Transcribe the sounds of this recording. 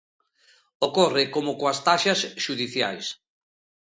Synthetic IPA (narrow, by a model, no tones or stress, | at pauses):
okɔrɪkomʊkoast̪aʃɐsʃuðiθja̰js